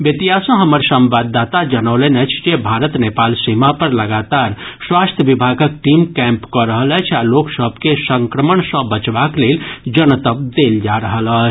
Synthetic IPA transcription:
bjət̪iɦasə̃ɦəməɾsə̃mbad̪ːat̪ad͡ʒənəlɛnət͡ʃʰd͡ʒebʱaɾət̪nepalsimapəɾləɡat̪aɾswast̪ʰjəʋibʱaɡək̚ʈimkɛ̃mpkɔɾəɦələt͡ʃʰaloksəbʱkesəŋkɾəməɳsə̃bət͡ʃbakleld͡ʒənət̪əb̚d̪eld͡ʒaɾəɦələt͡ʃʰ

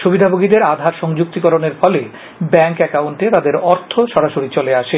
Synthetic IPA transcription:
ʃubid̪ʱaboɡid̪eɾad̪ʱaɾʃɔŋd͡ʑuk̚t̪ikɔɾoneɾfɔle | bɛŋkɛkawnʈet̪ad̪eɾɔɾt̪ʰoʃɔɾaʃoɾit͡ɕoleaʃe

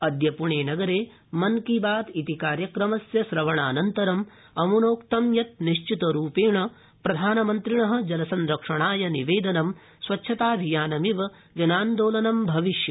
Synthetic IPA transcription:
ɐd̪jɐpuɳeːnɐɡɐɾeː | mɐnkibaːt̪it̪ikaːɾjɐkɾɐmɐsjɐsɾɐʋɐɳaːnɐnt̪ɐɾɐm | ɐmunoːkt̪ɐmjɐt̪̚niʃt͡ʃit̪ɐɾuːpeːɳɐ | pɾɐd̪ʱaːnɐmɐnt̪ɾiɳɐɦɐ̆d͡ʒɐlɐsɐnɾɐkʂɐɳaːjɐniʋeːd̪ɐnɐm | sʋɐtːʃʰɐt̪aːbʱijaːnɐmiʋɐ | d͡ʒɐnaːnd̪oːlɐnɐmbʱɐʋiʃjɐ

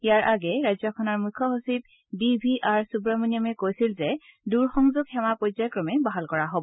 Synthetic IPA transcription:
ijaɹʔaɡɛɹajzjɔkʰɔnɔɹmukʰːɔɦosit̚ | bibʱiaɹsubɹamonijɔmɛkojsilzɛduɹxɔŋzʊɡxɛmapɔjzɔjkɹɔmɛbaɦalkɔɹaɦobɔ

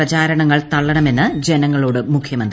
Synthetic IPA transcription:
ɐt͡ɕaːɾɐɳɐŋːɐɭt̪ɐɭːɐɳɐme̞nːɨd͡ʑe̞nɐŋːɐɭo̞ːɽɨmukʰjɐmɐnd̪

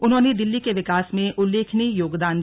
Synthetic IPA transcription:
ʊnɦõːned̪ɪlːikeʋɪkaːsmẽʔʊlːeːkʰnijoːɡd̪aːn

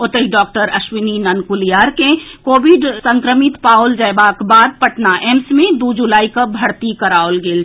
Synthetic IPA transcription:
ot̪əɦiɖɔːk̚ʈəɾəʃwininənkulijaɾkekoːbiɖsəŋkɾəmit̪pald͡ʒaebakbaːd̪̚pəʈnaʔemsmẽd̪ud͡ʒulaːikəbʱəɽt̪ikəɾaolɡeːl

